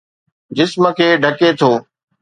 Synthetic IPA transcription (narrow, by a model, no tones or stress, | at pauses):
d͡ʑɪsmə̆kʰeːɖʱɐket̪ʰoː